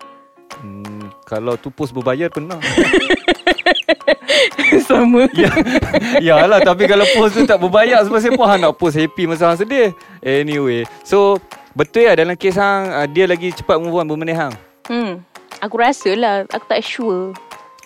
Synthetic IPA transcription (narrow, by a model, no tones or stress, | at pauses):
kalawt̪upʊsbəbajarpənah | saməja | jalat̪ap̬ikalawpʊst̪ut̪aʔbəbajars̬əmaʔs̬ajəpʊŋɦanaʔpʊs̬hepiməs̬aɦaŋs̬əde | ʔɛniweso | bət̪ʊljadalamkes̬aŋədialaɡit͡ʃə̥pat̪̚mubuanbəməneɦaŋ̩ | makuɾasəlaha̰ku̥t̪aʔiʃuə